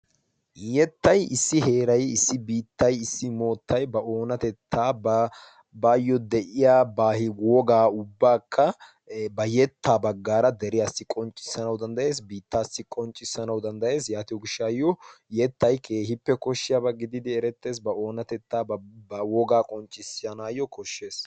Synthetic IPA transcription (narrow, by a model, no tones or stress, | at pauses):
jɛt̪ːɐjɪsːɪhe̞ːɾɐjɪsːɪbiːt̪ːɐjɪsːɪmo̞ːt̪ːɐjbɐo̞ːnɐt̪ɛt̪ʰːaː | baːjːɔd̪ɛʔɪjaːbaːhɪwɔɡaːʊbːaːkʰːɐ | bɐjɛt̪ːaːbɐɡːaːɾɐd̪ɛɾɪjasːɪkʼɔnt͡ʃʼːɪ̥sːɐnɐwd̪ɐnd̪ɐje̞ːs̬biːt̪ːaːsːɪkʼɔnt͡ʃʼːɪsːɐnɐwd̪ɐnd̪ɐje̞ːsjaːt̪ɪʊɡɪʃːajːɔjɛt̪ːɐjkʰeːhɪpːɛkɔʃːɪjɐbɐɡɪd̪ɪd̪ɪɛɾɛt̪ːe̞ːs̬bɐo̞ːnɐt̪ɛt̪ːaːɐwɔɡaːkʼɔnt͡ʃʼːɪsɪjɐnaːjɔkʰɔʃːe̞ːs